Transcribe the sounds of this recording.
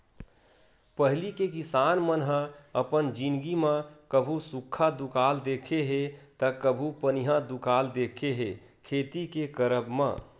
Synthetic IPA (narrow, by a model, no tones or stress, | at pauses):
pəɦlikekisanmənɦə̃əpənd͡ʒinɡimãkəbʱusukʰːad̪ukald̪ekʰeɦet̪əkəbʱupəniɦãd̪ukald̪ekʰeɦe | kʰet̪ikekəɾəbmã̰